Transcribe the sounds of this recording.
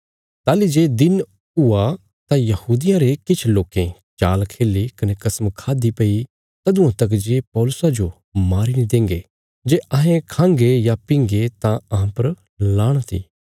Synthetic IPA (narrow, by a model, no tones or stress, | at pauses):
t̪aːlid͡ʒeːd̪ɪn | ʊa | t̪ãjɐhuːd̪ɪjãɾekɪt͡ʃʰloːkẽ | t͡ʃaːlkʰeːlːikɐnekɐsmkʰaːd̪ipɐi | t̪ɐd̪ʊ̃ãt̪ɐk̬d͡ʒeːpɔːlʊsad͡ʒo | maːɾinĩd̪ẽːŋɡe | d͡ʒeːɐɦẽkʰãːŋɡejapɪ̃ŋɡet̪ãɐɦãpɐɾ | laːɽ̃t̪ʰḭː